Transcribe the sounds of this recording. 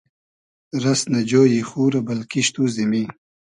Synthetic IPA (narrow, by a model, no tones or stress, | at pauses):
ɾɐsnɐd͡ʒoːjixuːɾɐbɐlkiʃt̪uzimi